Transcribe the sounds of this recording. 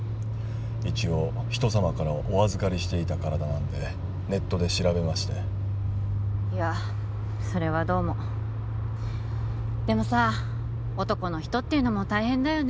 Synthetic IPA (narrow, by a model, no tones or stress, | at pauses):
it͡ɕio̞ | çi̥t̪o̞samakaɾaʔo̞azɨkaɾʲiɕi̥t̪e̞it̪akaɾad̪anãnd̪e̞ | ne̞t̪ːo̞d̪e̞ɕiɾabe̞maɕi̥t̪e | ia | so̞ɾe̞β̞ad̪o̞ːmo̞ | d̪̥e̞mo̞sa | o̞t̪o̞ko̞no̞çi̥t̪o̞t̪ːeɯ̟no̞mo̞t̪aihẽ̞nd̪ajo̞n